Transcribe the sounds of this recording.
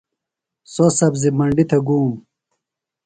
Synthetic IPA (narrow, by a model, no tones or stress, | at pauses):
sosɐbzimɐɳɖit̪ʰɐɡuːm